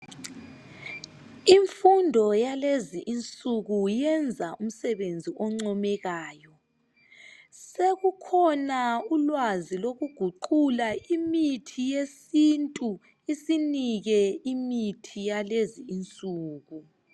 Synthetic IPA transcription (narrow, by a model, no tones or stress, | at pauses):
iɱfundʱɔjaleziʔint͡sʼuɣujɛnd͡zʱaʔum̩sɛβend͡zʱiʔɔŋ͡ǀɔmɛɣaːjɔ | seɣukʰɔnaulwaziloɣuɡ̥ʱuǃulaimitʰijesintʼu | isiniɣɛimitʰijaleziːnt͡sʼuːɣu